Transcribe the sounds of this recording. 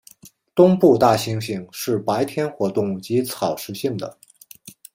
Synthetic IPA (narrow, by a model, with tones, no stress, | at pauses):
t̪ʊ˥ŋpu˥˧t̪a˥˩ɕi˥ŋɕi˥˧˩ŋʂɻ̩˥˩pa˧˥ɪt̪ʰjɛ˥nxwɔ˧˥t̪ʊ˥˩ŋt͡ɕi˧˥t͡sʰɑ˨˩ʊʂɻ̩˧˥ɕi˥˩ŋd̪ə˩